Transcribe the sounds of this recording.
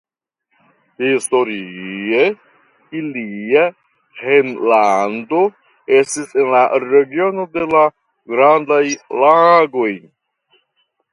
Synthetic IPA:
histo̞ɾie | ilia | henland̪o̞ | estisenlaɾe̞ɡio̞no̞d̪e̞la | ɡɾand̪ajlaɡo̞j

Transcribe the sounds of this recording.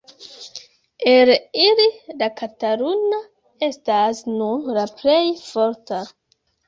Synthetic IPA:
elilidakataɾuna | e̞stasnunlaplejfo̞ɾta

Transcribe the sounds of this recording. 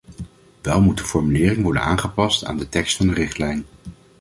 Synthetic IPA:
ʋɛlˠmut̚dəfɔɹmylɪːrɪŋʋɔɹdə̰na̰ːnχəpɑsta̰ːndətɛkstfɑndərɪχtlɛjn

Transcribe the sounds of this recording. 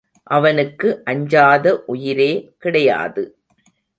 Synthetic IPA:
ʔɐʋɐnɯkːɯʔɐɲd͡ʒaːðɐʔʊjɪɾeːkɪɽɐja̰ːðɯ

